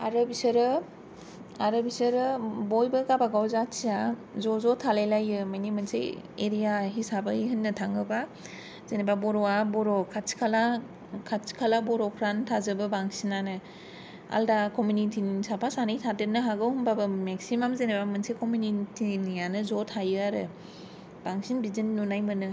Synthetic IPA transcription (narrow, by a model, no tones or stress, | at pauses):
aɾɯbisɯɾɯ | aɾɯbisɯɾɯbojbɯɡabaɡawzasijazɔzɔtʰalejlajɯmajnimɯnsḛḛɾijaɦisabɯiɦɯnːɯtʰaŋɡɯba | zenebabɔɾɔabɔɾɔkʰasi̥kʰala | kʰasi̥kʰalabɔɾɔkʰɾantʰazɯbɯbaŋsinanɯ | a̰ldakɔmunitʰinsapʰasanijtʰadɯnɯɦaɡɯwhumbabɯmeksimamzenebamɯnsekʰomjunitʰinijanɯzɔtʰajɯaɾɯ̰ | b̥aŋsinbizinːunajmɯnɯ